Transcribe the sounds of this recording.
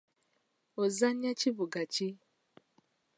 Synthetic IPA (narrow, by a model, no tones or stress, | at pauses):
ozaɲat͡ʃiβuɡat͡ʃi